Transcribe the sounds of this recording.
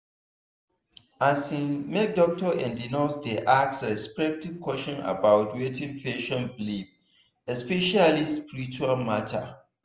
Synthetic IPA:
asĩnmɛk̚dɔk̚tɔʔɛ̃ndinasdeʔaksɹɛspɛk̚tivkʰwɔʃɔ̃na̰bawtwetʰĩŋpʰeʃɔ̃nbilif | ɛspɛʃalispiɾit͡ʃualmatʰa̰

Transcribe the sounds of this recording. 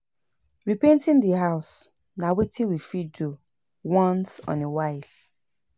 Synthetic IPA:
ɹipẽntĩndiɦaʊs | nawetʰĩwifidu | wɔ̃nsɔ̰̃newaɪl

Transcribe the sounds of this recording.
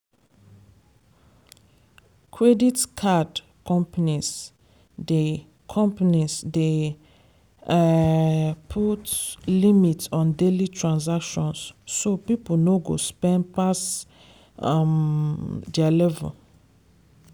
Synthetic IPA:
kʰɹeditkʰad | kɔ̃mpanis | de | kʰɔ̃mpanisde | pʰutlimitsɔ̃ndelitʰɹãns̬akʃɔ̃nsːopipnoɡo̰spɛ̃ndpas | dalɛvɛ̰̃

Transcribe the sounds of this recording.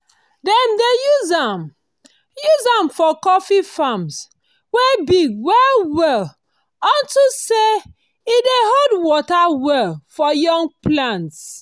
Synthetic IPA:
dɛmdejuzam | juzãmfɔkɔfifãms | wɛbiɡwɛlwɛl | ɔ̃ntuse | ideɦodwɔtawɛlfɔjɔ̃ŋɡ̚plãnts

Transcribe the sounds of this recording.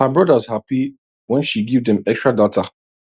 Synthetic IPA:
həbɹɔdəzhapi | wɛ̃nʃiɡivdɛ̃mɛkstɹ̥adɔtʰa

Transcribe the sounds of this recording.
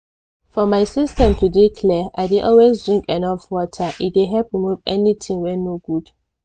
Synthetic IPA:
fɔmaɪsistɛ̃mtudikʰlɛʔaɪdiʔɔlwezdɹĩŋkɛnɔfwɔtʰəʔideɦɛlpɹimuvɛnitʰĩŋwɛ̃nːoɡud̥

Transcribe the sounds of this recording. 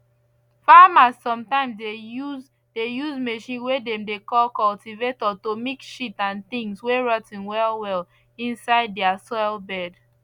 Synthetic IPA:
famasːɔ̃mtãɪ̃msdeuz | dejuzmeʃĩnwedɛ̃mdekɔlkɔltivetɔtomikʃitãnθĩŋsweɹɔtĩnwɛlwɛl | ĩnsaɪdːɛasɔɪlbɛd

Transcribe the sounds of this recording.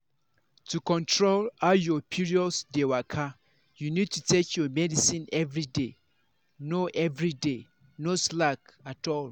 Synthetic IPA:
tʰukɔ̃ntʰɹolajɔpʰiɹiɔsdewakʰa | junid̚tʰutʰekʰjɔmɛdisĩnɛvɹide | noʔɛvɹide | noslakatɔl

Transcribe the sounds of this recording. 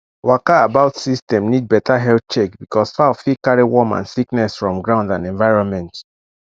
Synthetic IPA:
wakaabaʊtsistɛ̃mnid̚bɛtʰaɦɛlθt͡ʃekbikʰɔsfafikaɹiwɔmã̰nsiknɛsfɹɔ̃mɡɹãʊ̃ndãnɛ̃ɱvaɪɹɔ̃nmɛ̃nt

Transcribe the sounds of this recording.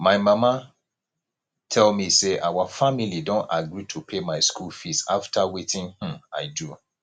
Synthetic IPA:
maɪmama | tʰɛlmiseʔawafamilidɔ̃ntaɡɹitʰupʰemaɪskulfisaftʰawetʰĩnh̩aɪdu

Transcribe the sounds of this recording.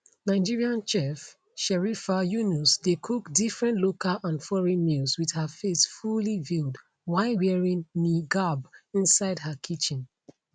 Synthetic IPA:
naɪd͡ʒiɹiãnt͡ʃɛf | ʃɛɹifajunusdekʰukdifɹɛ̃ntlokalʔãnfɔɹɛ̃nmilswið̥həfesfulivilˠd | waɪwɛɹĩnniɡabĩnsaɪdhəkʰit͡ʃĩn

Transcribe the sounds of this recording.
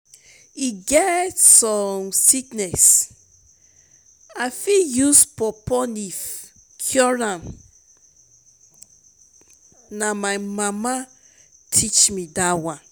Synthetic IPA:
iɡɛtsɔmsiknɛs | afijuspɔpɔnif | kʰjɔɹãn | namaɪmama | tʰit͡ʃmidawãn

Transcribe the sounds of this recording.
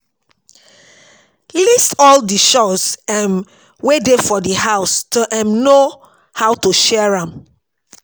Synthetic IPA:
listɔldiʃɔsãn | wedefɔdihaʊstoʔɛ̃nno | haʊtuʃɛɹãm

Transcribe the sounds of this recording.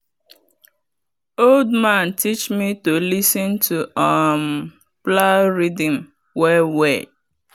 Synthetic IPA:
oldmãntʰit͡ʃmitolisɔ̃ntʰuam | plaɹidĩm | wɛwɛ

